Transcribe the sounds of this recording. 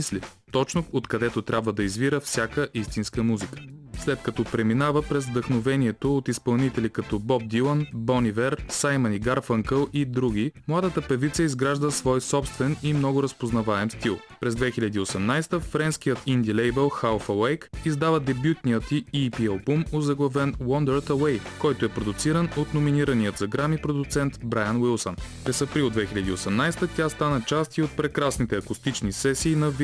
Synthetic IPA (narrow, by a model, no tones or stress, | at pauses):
isli | t̪ɔt͡ʃnoot̪kɐd̪ɛt̪ot̪ɾʲabvəd̪ɐizviɾəfsʲjakəʔist̪inskəmuzikə̥slɛt̪̚kɐt̪ɔpɾɛminavəpɾɛzvd̪əxnovɛniɛt̪oot̪ispɐlˠnit̪ɛlʲikɐt̪ɔbɔb̚d̪ilˠənbɔnivɛɾsajməniɡaɾfəŋkəlˠid̪ɾuɡ̟ʲimlˠad̪ət̪əpɛvit̪sʲəizɡɾaʒd̪əsvɔjsɔpst̪vɛnimnɔɡʊɾəspoznɐvaɛmst̪ilˠ | pɾɛzd̪vɛxilʲɐd̪iːosɛmnajst̪əfɾɛnskijət̪ʰind̪ilɛjbɛlˠxalˠfɐwɛjkizd̪avəd̪ɛbjut̪nijət̪iipiɛlˠpumozɐɡlˠɐvɛnwɔnd̪ɛɾt̪ɐwɛjkɔjt̪oɛpɾod̪ʊt̪siɾənot̪nominiɾənijət̪zɐɡɾamipɾod̪ʊt̪sɛnt̪bɾajənwilˠsənpɾɛsɐpɾilˠd̪vɛxilʲɐd̪iosɛmnajst̪ət̪ʲjast̪anət͡ʃast̪iot̪̚pɾɛkɾasnit̪ɛɐkʊst̪it͡ʃnisɛsiːnɐv